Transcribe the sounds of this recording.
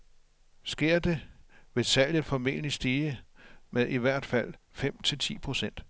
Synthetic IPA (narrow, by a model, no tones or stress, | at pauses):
sɡ̥e̝ɐ̰d̥e̝ʋe̝sæl̰jð̩ˠfɒ̽me̝̰ːnlisd̥iːəmeðˠiʋæɐ̰d̥fæl̰fem̰t͡sʰe̝lt͡sʰḭːpʰʁo̝sen̰d̥